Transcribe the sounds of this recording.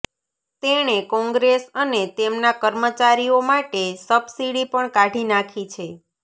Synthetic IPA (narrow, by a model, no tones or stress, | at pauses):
t̪eɽ̃ekɔ̃ŋɡɾesənet̪emnakəɾmət͡ʃaɾiomaʈesəbsiɽipəɳkaʈinakʰit͡ʃʰe